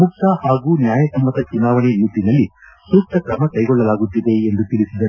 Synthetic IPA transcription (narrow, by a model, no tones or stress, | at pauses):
muk̚t̪ɐhaːɡuːnjaːjɐsɐmbɐt̪ɐt͡ʃunaːʋɐɳinut̪ːinɐlːi | suːsʈ̪ɐkɾɐmɐkɐjɡɔɭːɐlaːɡut̪ːid̪e̞ːnd̪ut̪iɭisid̪ɐu